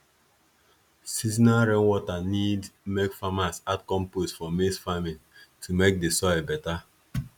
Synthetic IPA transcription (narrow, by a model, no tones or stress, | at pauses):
sizinaɾẽnwɔtanidmekfamasatkɔ̃mposfɔmesfamiltʰumek̚desɔbɛta